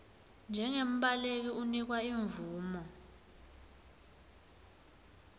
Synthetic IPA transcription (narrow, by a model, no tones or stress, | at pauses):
nd͡ʒʱɛŋem̩ɓalek̬iunik̬waiɱvuːmɔ